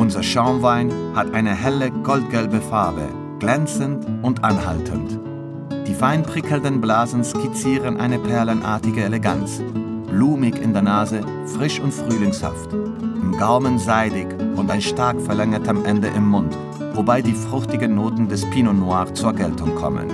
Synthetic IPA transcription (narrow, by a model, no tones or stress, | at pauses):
ʔʊnzɐʃaʊnvaɪnhatʔaɪnəɦɛləɡ̥ɔlt̚ɡ̥ɛlbəfaɐbə̰ | ɡ̥lɛnt͡səntʔʊntʔanha̰ltʰə̰nt | d̥iːfaɪnpʁ̥ɪkʰl̩ndənblaːzn̩skʰit͡siːʁənʔa̰ɪnəpʰɛɐlənʔa̰ːɐtɪɡəeleɡant͡sb̥luːmɪçɪ̰ndeːɐnaːzə | fʁ̥ɪʃʊntfʁ̥yːlɪŋsha̰ft | ʔɪmɡaʊmənzaɪdɪçʔʊntaɪnʃtaɐkfɛɐlɛŋɐtamʔɛndəʔɪmːʊnt | vobaɪdiːfʁ̥ʊçtɪɡənːoːtn̩dɛspʰiːnonwaːʁt͡suːɐɡɛltʰʊŋkʰɔ̰mə̰n